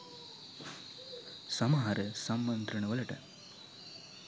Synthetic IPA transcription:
sɐmaɦɐɾəsɐmːɐnd̪ɾɐɳɐʋɐlɐʈɐ̰

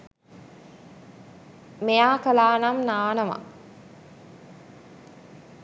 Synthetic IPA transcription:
mejaːkəlaːnamnaːnəma̰

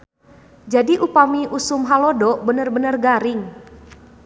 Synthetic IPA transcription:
d͡ʒadiʔupamiʔusʊmɦalɔdɔʔbənərbənərɡaɾɪŋ

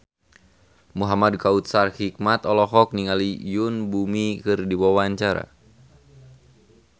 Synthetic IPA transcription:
muɦamadkaut̪̚sarhik̚mat̪ɔlɔɦɔk̚niŋalijunbumikɨrdiwawaɲt͡ʃaɾa̰

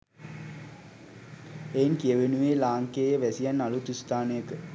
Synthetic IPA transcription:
enkijəʋenuʋeːlaːŋkeːjeʋæsijanːalut̪ust̪aːnəjəkə

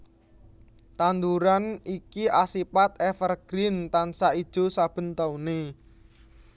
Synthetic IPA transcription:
t̪and̪uɾanikiʔasipat̪̚efərɡ̥ɾɪnt̪ansaid̥ʒ̥o̤sab̥ə̤nt̪aune

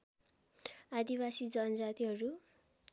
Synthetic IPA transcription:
ad̪ibasid͡zʌnd͡zat̪iɦʌɾu

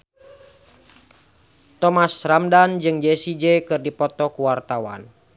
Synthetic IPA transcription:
t̪ɔmasramdand͡ʒɨŋd͡ʒesid͡ʒekɨrdipɔt̪ɔkuwart̪awa̰n

